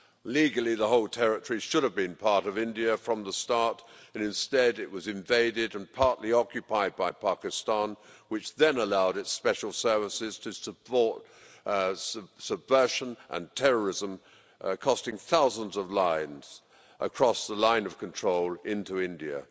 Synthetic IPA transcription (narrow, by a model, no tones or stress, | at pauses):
liɡl̩ˠiðəɦoʊlˠtʰɛɹɨtəɹ̥iʃʊɾɨvbɨ̃npʰɑɹɾʌvɪ̃ndiɨfɹʌ̃mðəstɑɹɾɨ̃nɨ̃nstɛɾɨʔ̚wʌzɨ̃ɱveɪɾɪɾɨ̃npʰɑɹʔˡliɑkjɨpʰaɪd̚baɪpʰɑkɨstɑ̃nwɨt͡ʃðɨ̃nəlaʊɾɨtspɛʃl̩ˠsɜ˞vəsɪz̥tʰɨsəpʰɔɹt̚ | səbvɜ˞ʃə̃nʔə̰̃ntʰɛɹə˞ɪzə̃m | kʰɔstɪ̃ŋθaʊzə̃n̩zʌvlãɪ̃nz̥ | ʔə̰kʰɹ̥ɔsðəlãɪ̃nʌv̥kʰntʰɹ̥oʊlˠɪ̃ntuɪ̃ndiɨ̰